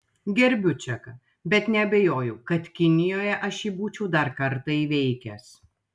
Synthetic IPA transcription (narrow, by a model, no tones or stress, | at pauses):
ɡʲɛɾʲbʲʊt͡ʃʲɛkɐ | bʲɛt̪nʲɛɐbʲɛjoːjɛʊkɐt̪kʲɪnʲɪjoːjɛʔɐʃiːbuːt͡ʃʲɛʊd̪ɐɾkɐɾt̪ɐiːʋʲɛɪkʲɛs